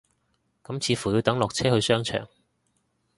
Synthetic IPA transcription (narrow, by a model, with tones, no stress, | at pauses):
kɐ˨˥mt͡sʰiː˨˧fuː˨˩jiː˨˧wt̪ɐ˨˥ŋlɔː˨k̚t͡sʰɛː˥hɵ˧ɥsœː˥ŋt͡ʃʰœ̰ː˨˩ŋ